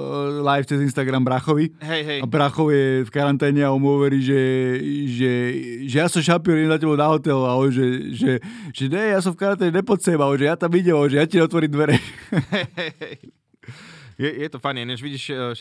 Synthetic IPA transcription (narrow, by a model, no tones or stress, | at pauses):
lajft͡sɛzinst̪aɡɾambɾaxɔʋiɦɛjɦɛjabɾaxɔʊjɛfkaɾant̪ɛːɲɛaɔmɔʋɛɾiʒɛ | ʒɛʒɛjasɔmʃapiɔɾɛmzacɛbɔnaɦɔt̪ɛlalɛʒɛʒɛʒ̥ɛɲɛjas̬ɔmfkaɾant̪ɛːɲɛɲɛpɔt̪sɛmalɛʒɛjat̪amiɟɛmalɛʒɛjaciɔt̪ʋɔɾimd̪ʋɛɾɛɛɛɛj | jɛjɛt̪ɔfaniɲɛʒʋiɟiʃ